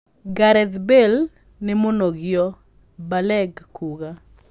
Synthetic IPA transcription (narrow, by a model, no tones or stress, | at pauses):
ɡaɾɛd̪bel | nɪmonoɡɪjɔ | balɛɡkuɡa